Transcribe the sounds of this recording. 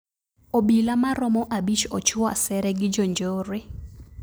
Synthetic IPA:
obilamaɾɔmɔʔabit͡ʃɔt͡ʃʊa̰sɛɾɛɡɪd͡ʒond͡ʒoːɾe

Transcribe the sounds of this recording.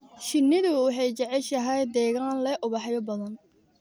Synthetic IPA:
ʃɪnːɪðʊwʊħɛjt͡ʃɛʕɛʃɐɦɛjd̪ɛːɣaːnlɛʔʊβɑħjɔbɐðɐn

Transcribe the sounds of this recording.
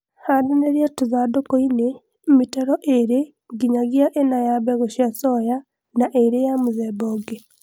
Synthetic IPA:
hadeneɾjatuzadokoine | mitɛɾɔʔeɾe | ŋɡiɲaɣjaʔenajabɛɣoʃiasɔja | naʔeɾejamuzɛbɔɡe

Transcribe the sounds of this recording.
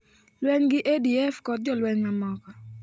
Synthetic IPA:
lwɛɲɡɪʔediɛfkɔt̚d͡ʒɔlwɛɲmamɔkɔ

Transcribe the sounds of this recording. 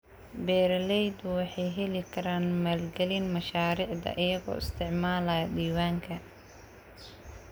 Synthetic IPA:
bɛːɾlɛjd̪ʊwɑħɑjɦɛlɪkʰɐɾaːnmaːlɡɛlinmɐʃaːɾiːʕd̪ɐ̰ʔɪjɐɣɔ̰ːɪst̪ʰɪʕmaːlɐɐɖiːwaːŋkʰɐ

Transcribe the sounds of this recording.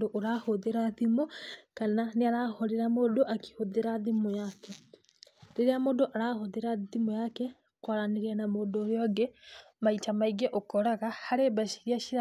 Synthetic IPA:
doʔoɾahoðeɾaðimokananeaɾahɔɾeɾamodoʔaki̥hoðeɾaðimojakɛ | ɾeɾeamodoʔaɾahoðeɾaðimojakɛ | kwaɾaneɾeanamoːndoɾeɔɡe | maitamaiɡeʔokɔɾaɣahaɾebaʃi̥ɾiaʃiɾa

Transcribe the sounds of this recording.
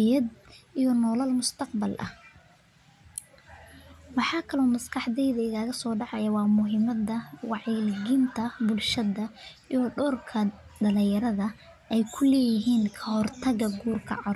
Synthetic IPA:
jɐd̪ijɔnɔːlɐlmʊst̪ʰɑq̚bɐlʔɐ̰h | wɑħɑːkʰɐlɔːmɐskʰɑħd̪ɛjðɐɪɣaːɣɐsɔːɖɑʕɑjɐwɑːmʊɦɪmɐd̪ɐwɑʕilɡɪnt̪ʰɐbʊlʃɐðɐʔijɔɖɔːrkʰɐ | ɖɐlɪjɐɾɐðɐ | ʔɛjkʰʊlɛːjɪɦiːnkʰɐhɔrt̪ʰɐɣɐɡuːrkʰɐ̰ʕɑr

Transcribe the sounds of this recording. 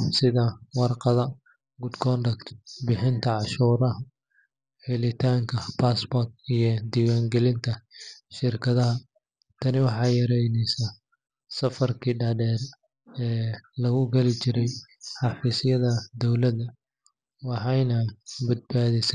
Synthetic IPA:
sɪðɐwɑrqɑðɐ | ɡʊd̪ɡʰɔnɖɐkt̪bɪħɪnt̪ʰɐʕɑʃuːɾɐɦɐ | ħɪlɪt̪ʰaːŋkʰɐpaːsbɔrt̪ijɞd̪iːwaːŋɡɛlɪnt̪ʰɐʃɪrkʰɐðɐɦɐ | t̪ʰɐnɪwɑħɑːjɐɾɛjnɛjsa | sɐfɐrkʰiːɖɐɖɛːr | ɛːlɐɣʊɡɐlɪt͡ʃɪɾɛj | ħɑfiːsɪjɐðɐd̪ɔwlɐd̪ɐ | wɑħɑjnɐbɐd̪̚baːðɪsɛ

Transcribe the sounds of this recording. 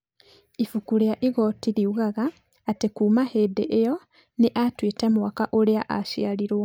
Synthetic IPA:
ifukuljaʔiɣotiliuɣaɣaː | tekuːmahedeʔejo | niʔatwiːtemuwakaʔoljaʔaʃjaliɾwo

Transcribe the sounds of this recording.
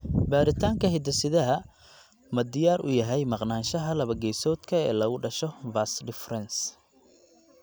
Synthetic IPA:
baːɾɪt̪ʰaːŋkʰɐɦɪd̪ɐsɪðɐɦɐ | mɐd̪ɪjaːɾʔʊ̰jɐɦɛjmɑqnaːnʃɐɦɐlɐβɐɡɛjsɔːd̪kʰɐɛ̰ːlɐɣʊɖɐʃɔvaːsɖɪfrɛns

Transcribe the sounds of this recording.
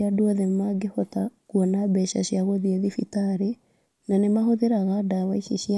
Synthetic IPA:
adwɔðemaɡehɔtakuɔnabɛʃa̰ɕiaɣoðieðifitaɾe | nanemahoðeɾaɣadawaiʃeɕia

